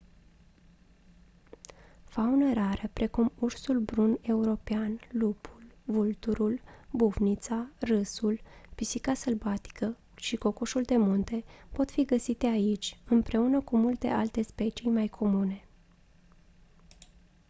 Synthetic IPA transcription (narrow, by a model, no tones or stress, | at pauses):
faunəɾaɾəpɾe̞kumursulbɾune̞uɾo̞peanlupʰulvult̪uɾulbuvnit̪sarɨsulpisikasəlvat̪i̥kə | ʃiko̞koʃuld̪e̞munt̪e̞po̞t̪fiɡəsit̪e̞ait͡ʃʲɨmpɾe̞unəkumult̪e̞̰ʔalt̪e̞spe̞t͡ʃijmajkʰo̞mune̞